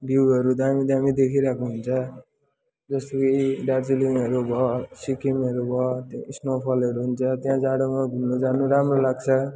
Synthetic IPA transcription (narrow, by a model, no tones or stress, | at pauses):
ɖiwɦʌɾud̪amid̪amid̪ekʰiɾakʰuɦunt͡sʰʌ | d͡zʌst̪okʌiɖad͡ziliŋʌɾubʱʌsikimʌɾubʱʌsnopʰʌlʌɾuɦunt͡sʰʌt̪jãd͡zaɽomãɡʱunnod͡zanuɾamrolaɡ̚t͡sʰʌ